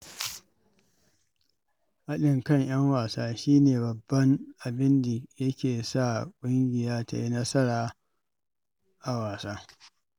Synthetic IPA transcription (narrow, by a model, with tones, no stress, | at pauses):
ʔa˦ɗɪ˨ŋkɐ˦˨ɲj̰ɐ˦ŋwaː˨saː˦ʃiː˦neː˨bɐ˨bːɐ˦ŋʔa˨bɪ˦nda˨jɐ˦kʲeː˨sa˦˨kʷʼʊ˦ŋɡʲɪ˨jaː˦ta̰˨ji˦nɐ˦sɐ˦ɽaː˨ | ʔa˨waː˨saː˦